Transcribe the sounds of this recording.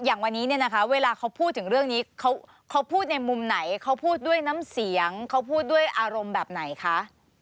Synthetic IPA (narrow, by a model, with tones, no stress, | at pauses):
jaː˨˩ŋwa˧nːiː˦˥ni˥˩ɐna˦˥kʰa˦˥weː˧laː˧kʰa˦˥wpʰuː˥˩t̪ʰːɯ˩˦ŋɾɯ˥˩əŋniː˦˥kʰa˦˥w | kʰa˦˥wpʰuː˥˩t̪̚na˧jmu˧mna˩˦jkʰa˦˥wpʰuː˥˩t̪̚du˥˩əjnaː˦˥msi˨˩˦əŋkʰa˦˥wpʰuː˥˩t̪̚du˥˩əjʔaː˧ɾo˧mbɛː˨˩p̚na˩˦jkʰa˦˥ʔ